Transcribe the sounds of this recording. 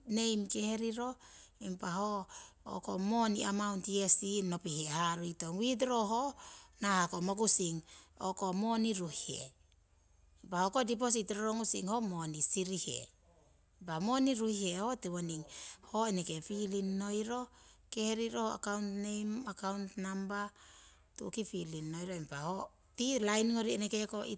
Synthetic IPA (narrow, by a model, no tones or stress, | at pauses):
ne̞jmke̞heɾiɾo̞impaɦo̰ːkomoniamawntiesino̞pihehaɾuitoŋwit̬ɾoɦonahakomok̬usiŋoko̞mo̞niɾuhihḛ | impahokodip̬os̬itɾoɾoŋusḭŋhomo̞nisiɾihḛ | bamo̞niɾuhihe̞hotiwoniŋhoeneke̞filinːo̞jɾo̞ke̞hɾiɾohoa̰kawntnejmakawntnamba | tṵkifilinːo̞jɾoempaho | tilajnŋoɾienekekoi